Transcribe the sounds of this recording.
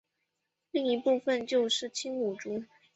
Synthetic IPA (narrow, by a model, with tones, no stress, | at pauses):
li˥˩ŋi˧˥pu˥˧fə˧nt͡ɕjo˥˧ʊʂɻ̩˥˩t͡ɕʰi˥ŋu˨˩ʈ͡ʂu˥